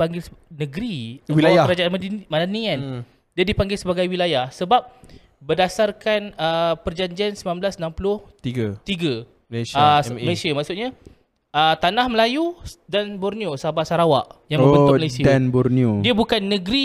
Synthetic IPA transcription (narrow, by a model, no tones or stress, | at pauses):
aŋɡɪlnəɡɾiwilajkəɾad͡ʒaʔanmmadanian | diadipaŋɡɪlsəbaɡajwilajahsəbap̚ | bədasarkanəpərd͡ʒaɲd͡ʒiansəmamblasnãmpulʊht̪iɡat̪iɡa | saməlesiamaʔksʊʔɲa | ət̪anahməlajudanbɔrniosaabasaɾawaʔjaŋbəbənʊməlajsianbɔrniodiəbukanːəɡɾi